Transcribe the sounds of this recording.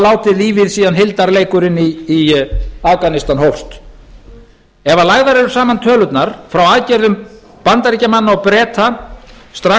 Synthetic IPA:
laːwt̪ɪðliːvɪðsiːðanɦɪlt̪aɾleːjkʏɾɪnːiː | akanɪst̪anhowfst̪ | ɛvalaɣðaɾɛɾʏ̥saːmant̪ʰœːlʏt̪naɾ̥fɾawaːðcɛɾðʏm | pant̪aɾicamanːaɔwpɾɛːt̪ast̪ɾa

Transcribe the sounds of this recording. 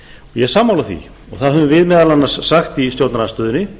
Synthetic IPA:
ɔjɛsaːmːawlaθvḭ | ɔ̰ɣθaðhʏvʏvɪðmɛːðalanːḁsːaxt̪ist̪jowɾt̪nanast̪œːðʏnːɪ

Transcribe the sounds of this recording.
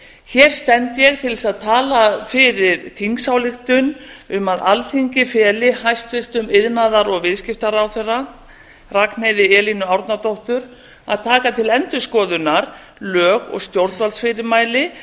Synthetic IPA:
çɛɾ̥st̪ɛnt̪jɛɣt̪ʰɪlsaðt̪ʰaːlafɪɾɪɾθiŋksawlɪxt̪ʏnʏmaðalθiɲcɪfɛːlɪhajst̪vɪht̪ʏmɪðnaðaɾɔɣvɪðscɪft̪aɾawθɛrːa | rakn̥ejðɪɛːlinʏawɾt̪nat̪oht̪ʏɾ | a̰ðt̪ʰaːkat̪ʰɪlɛnt̪ʏskɔːðʏnaɾ | lœːɣɔ̰ɣst̪jowɾt̪valsfɪɾɪɾmaːjlɪ

